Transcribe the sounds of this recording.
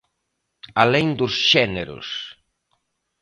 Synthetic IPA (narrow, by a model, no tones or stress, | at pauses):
aleŋd̪ʊsʃɛneɾʊ̰s